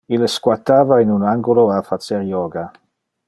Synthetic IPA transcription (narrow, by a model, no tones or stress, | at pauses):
ileskwat̪aːvainunaŋɡuloafat͡seɾjɔːɡa